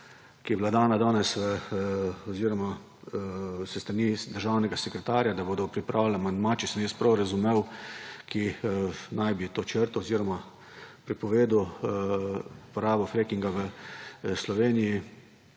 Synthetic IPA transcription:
kijɛblad̪aːnad̪aːnɛsʋə | ɔziɾɔma | sɛst̪ɾanid̪əɾʒaːwnɛɡasɛkɾɛt̪aːɾjad̪aboːd̪ɔpɾipɾʔaːwlʲlamand̪mat͡ʃɛsmespɾɔwɾazumewkʰinajbit̪oːt͡ʃəɾt̪ɔːziːɾɔma | pɾipɔʋeːd̪uw | pɔɾaːbɔfɾekiŋɡaʋə | slɔʋeːniji

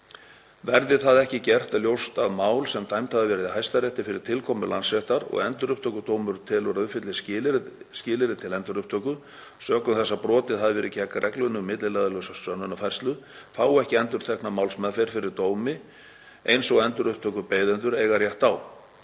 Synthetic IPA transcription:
vɛɾðɪθaðɛhcɪcɛr̥t̪aljowst̪aðmaːwlsɛmt̪ʰajmt̪ʰaðɪvɛɾɪðɪɦajst̪aɾrjɛht̪ɪfɪɾɪɾ̥t̪ʰɪlkʰɔmʏlansvɛht̪aɾɔ̰ɣɛnt̪ʏɾʏhp̚t̪ʰœːkʏt̪oːwmʏɾt̪ʰɪlɔɾʏfɪt̪lɪscɪːscɪːlɪɾɪt̪ʰɪlɛnt̪ʏɾʏhpt̪ʰœkʏ | sœːkʏmθɛsːapɾɔːt̪ɪðhaðvɛɾɪcʰɛːkarʔɛklʏnːʏmɪt̪lɪlɛðʏlœsaœnːʏnafajr̥st̪lʏθaːwɛhcɪɛnt̪ʏɾ̥t̪ʰɛknamaːwlsmɛðfejɾ̥fɪɾɪɾt̪oːwmɪ | ejnsɔɣɛnt̪ʏɾʏhp̚t̪ʰœkʏpeːjðʏnt̪ʏɾɛɣarjɛht̪aw

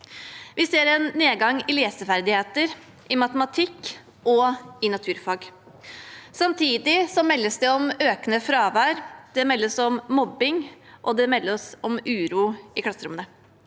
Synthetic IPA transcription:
ʋɪseːɾɛnːeːɡɑŋɪleːsəfæɾd̪ɪheːt̪əɾ | ʔɪmɑt̪əmɑt̪ʰɪkː | ʔɔɪnɑt̪ʰʉːɾfɑːɡ | sɑmt̪ʰiːd̪ɪsɔmɛlːəsd̪ɛɔmøːkənəfɾɑːʋæːɾd̪̥ɛmɛlːəsɔmːɔbɪŋʔɔd̪ɛmɛlːəɾɔsɔmʉːɾuːɪkʰlɑsəɾʊmənə

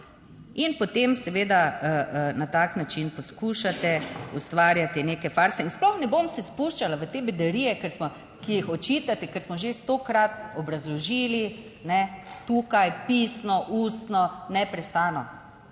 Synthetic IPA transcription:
inpɔt̪emsɛʋeːd̪aənat̪aknat͡ʃinpɔskuʃat̪ɛust̪ʋaɾjat̪ineːkɛfaɾsɛinsplɔxnɛbomsɛspuʃt͡ʃalaʋət̪eːbɛd̪ɛɾiːjɛkɛɾsmɔ | kijixɔt͡ʃiːt̪at̪ɛkɛɾsmɔʒest̪okɾat̪ɔbɾazlɔʒiːli | nɛt̪ukajpisnɔʔuːst̪nɔnɛpɾɛst̪aːnɔ

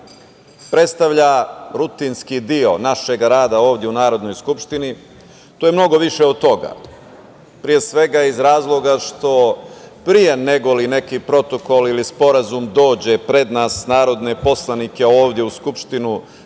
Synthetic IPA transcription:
pɾe̞t̪st̪aʋʎaɾut̪inskid̪io̞naʃe̞ɡaɾaːd̪ao̞ːʋd̪je̞unaːɾo̞d̪no̞jskupʃt̪ini | t̪ojemno̞ɡo̞ʋiʃeod̪̚t̪o̞ɡa̰ | pɾije̞sʋe̞ɡaizɾaːzlˠo̞ɡaʂt̪o̞pɾije̞ne̞ɡo̞line̞kipɾo̞t̪o̞ko̞lilispo̞ɾazumd̪o̞ːd͡ʑe̞pɾe̞d̪naːsnaːɾo̞d̪ne̞po̞slˠanike̞oːʋd̪je̞uskupʃt̪inu

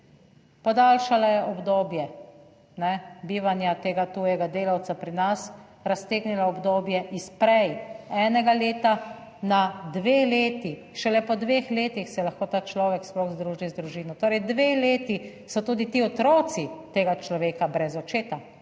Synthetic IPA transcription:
pɔd̪aːlʃalajɛʔɔbd̪oːbjɛ | nɛbiːʋanjat̪eːɡat̪uːjɛɡad̪eːlawt̪sapɾinas | ɾast̪eːɡnilaɔbd̪oːbjɛʔispɾɛjɛːnɛɡaleːt̪a | nad̪ʋeːleːt̪i | ʃɛlɛpɔd̪ʋexleːt̪ixsɛlaxkoːt̪aːt͡ʃlɔːʋɛksplɔɣzd̪ɾuːʒizd̪ɾuʒiːnɔt̪oːɾɛjd̪ʋeːleːt̪i | sɔt̪uːd̪it̪iːɔt̪ɾɔːt̪sit̪eːɡat͡ʃlɔʋeːkabɾɛzɔt͡ʃeːt̪a

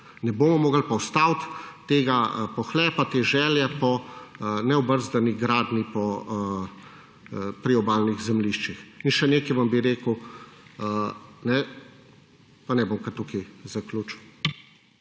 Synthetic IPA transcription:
nɛboːmɔmoːɡəlpɔwst̪awt̪ːeːɡapɔxlɛːpat̪eʒɛːljɛpɔ | nɛɔbəɾzd̪aniɡɾaːd̪nipɔ | pɾiɔbaːlniɣzɛmliʃt͡ʃixinʃɛneːkɛjʋɐmbiɾeːkəw | nɛ | panɛboːmkɐɾt̪ukijzaklʲut͡ʃn

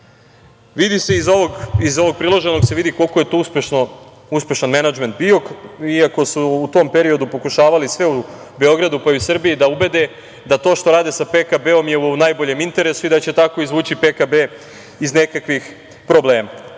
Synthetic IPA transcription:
ʋid̪ise̞izooɡizo̞ʋo̞ɡ̚pɾilˠoʒe̞no̞ɡse̞ʋid̪iko̞lˠko̞jet̪ospeʃno | uspʲe̞ʃanmenad͡ʒment̪̚bio̞kiako̞suːt̪o̞mpe̞ɾio̞d̪upo̞kuʃaːʋalisʋe̞u | be̞o̞ɡɾad̪upaiusr̩bijid̪aube̞d̪e̞ | d̪at̪o̞ːʃt̪o̞ɾaːd̪esapekabeo̞mjeunajbo̞ʎe̞mint̪e̞ɾe̞suid̪at͡ɕe̞t̪ako̞izʋuːt͡ɕipekabe | izne̞kakʋix | pɾo̞bleːma

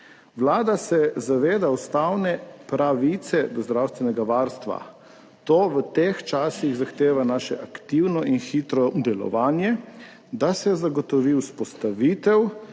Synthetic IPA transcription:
wlaːd̪asɛzaʋeːd̪awst̪awnɛpɾaʋit̪sɛd̪ɔzd̪ɾawst̪ʋɛnɛɡaʋaːɾst̪ʋa̰ | t̪oːʋət̪ext͡ʃaːsiɣzaxt̪eːʋanaːʃɛʔakt̪iwnɔʔinxiːt̪ɾɔd̪ɛlɔ̰ʋaːnjɛ | d̪asɛzaɡɔt̪ɔʋiwspɔst̪aʋiːt̪ɛw

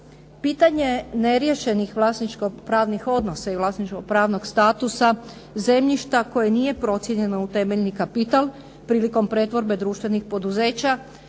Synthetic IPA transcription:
piːt̪aɲe̞ne̞ɾjeʃe̞nixʋlˠaːsnit͡ʃko̞pɾaːʋnixo̞d̪no̞saiʋlˠaːsnit͡ʃko̞pɾaːʋno̞ɡst̪aːt̪usa | ze̞mʎiʃt̪ako̞jenije̞pɾo̞t̪sjeɲe̞nout̪e̞meʎnikapit̪alˠ | pɾiːliko̞mpɾe̞t̪ʋo̞ɾbe̞d̪ɾuːʃt̪ʋe̞nixpo̞d̪uze̞ːt͡ɕa

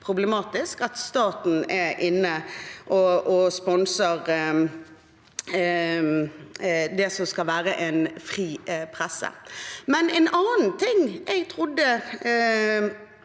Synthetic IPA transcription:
pʰɾʊblɛmɑːt̪ɪskɑt̪st̪ɑːt̪n̩ɛʔɪnːəʔɔʔɔspɔnsəɾ | d̪ɛsɔmskɑlʋæːɾəʔɛnfʁiːpʰɾɛsːə̰mɛnɛnɑːn̩t̪ʰɪŋɛɡt̪ʰʁʊd̪ːə

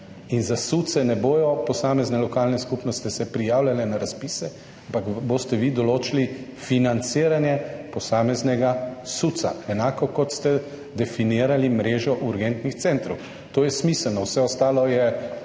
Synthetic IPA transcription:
inzasut̪sɛnɛboːjɔpɔsaːmɛznɛlɔkaːlnɛskupnɔst̪ɛsɛpɾijaːwlʲalɛnaɾaspisɛ | ampaɡbost̪ɛʋid̪ɔloːt͡ʃilifinant̪siːɾanjɛpɔsaːmɛznɛɡasut̪sa̰ɛnaːkɔkɔt̪st̪ɛ | d̪ɛfiniːɾalimɾeːʒɔʔuɾɡɛnt̪nixt̪sɛnt̪ɾɔw | t̪oːjɛsmisɛlnɔwsɛɔst̪aːlɔjɛ

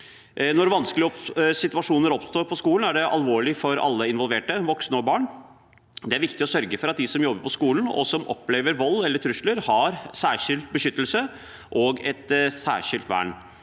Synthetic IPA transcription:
nɔɾʋɑnskəlɪɔpsɪt̪ʉɑʂuːnəɾɔpst̪oːɾpʰɔskuːln̩æɖɛʔɑ̰lʋoːɭɪfɔɾɑ̰lːəɪnʋɔlʋeːʈəʋɔksnəɔbɑːɳ | d̪ɛæɾʋɪkt̪ɪɔsœɾɡəfɔɾɑt̪̚d̪ɪsɔmjɔbːəɾpʰɔskuːln̩ɔ̰sɔmʔɔ̰pːleːʋəɾʋɔlːɛlːəʈ̪ʰɾʉʂləɾhɑɾsæːʂɪlt̪̚bəʂʏt̪ːəlsə | ʔɔɡɛt̪sæ̰ːʂɪlt̪ʋæ̰ːɳ

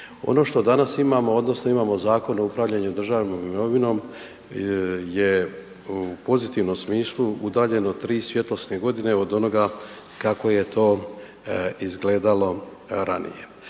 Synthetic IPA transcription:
o̞̰no̞ʃt̪o̞d̪anasimamo̞od̪no̞sno̞imaːmo̞zaːko̞noupɾaʋvʎaɲud̪r̩ʒaːʋno̞mimmo̞ʋino̞m | je | upo̞zit̪iʋno̞msmiːslˠuud̪aːʎe̞no̞t̪ɾiːsʋje̞t̪losneɡo̞d̪ine̞o̞d̪o̞no̞ɡa | kako̞je̞t̪ʰo̞ː | izɡle̞ːd̪alo̞ | ɾanḭje̞

